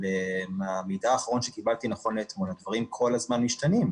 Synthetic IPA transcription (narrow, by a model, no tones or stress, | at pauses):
lemamidaːχaʁo̞nʃekibalt̪inaχo̞nlet̪munad̪vaʁimkʰo̞lazmanmiʃt̪anim